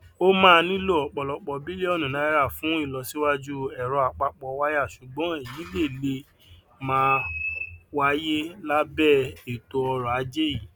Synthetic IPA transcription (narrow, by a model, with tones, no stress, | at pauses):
o˦mãː˦˧nĩ˦lo˦˨ɔ˨k͡pɔ˧lɔ˧k͡pɔ˧bi˦le˦ɔ˦˨nũ˨nã˨˦ɾa˦˨fũ˨˦i˦˨lɔ˧si˦wa˦d͡ʒu˦ɛ˨ɾɔ˧a˨k͡pa˧k͡pɔ˧wa˦ja˦˨ʃu˨ɡ͡bɔ̃˨˦e˨jĩ˨˦le˦˨le˧ | mãː˦ | wa˦je˦la˦bɛ˦˨e˨to˧ɔ˧ɾɔ˨a˨˦d͡ʒe˦ji˨